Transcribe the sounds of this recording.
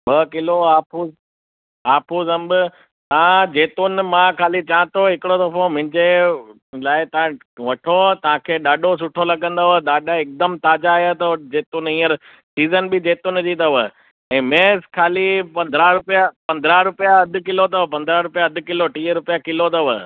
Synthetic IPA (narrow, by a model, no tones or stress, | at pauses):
bɐkɪloaːpʰuːz | aːpʰuːzɐ̃mbɪ | t̪ɐãd͡ʑeːt̪ʊnmãkʰaːlit͡ɕaːə̃t̪oɦɪkɪɽot̪ɐfʰõmʊɪ̃ɲd͡ʑe | laːɪt̪ɐʋã | ʋɐʈʰot̪ɐʋ̤ãkʰeːɗaːɗos̬ʊʈʰolɐɠə̃nd̪aʋəɗ̪aːɖaɪk̚d̪əmt̪aːd͡ʑajat̪ɐd͡ʑeːt̪ʊnĩːəɾ | siːzənbɪd͡ʑeːt̪ʊnd͡ʑit̪ɐʋə | ɛ̃ːmeːskʰaːlipɐ̃nd̪ʱɾaɾʊpijapɐ̃nd̪ɾaɾʊpijaɐd̪ʱɪ̆kɪlot̪ɐʋpɐ̃nd̪ɾaɾʊpijaɐd̪ʱɪ̆kɪloʈiːɾʊpijakɪlot̪ɐʋə̰